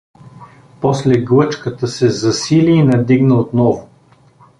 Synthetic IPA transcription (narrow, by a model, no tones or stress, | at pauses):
pɔslɛɡlˠɤt͡ʃkət̪əsɛzɐsiliːnɐd̪iɡnəot̪nɔvʊ